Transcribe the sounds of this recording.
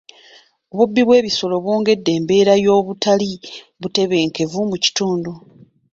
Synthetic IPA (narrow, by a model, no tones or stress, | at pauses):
o̞βubːiβwe̞ːβiso̞lo̞βwo̞ːŋɡe̞dːe̞ːmbe̞ːɾajo̞ːβutali | βute̞βe̞ːŋke̞vumuci̥tuːndu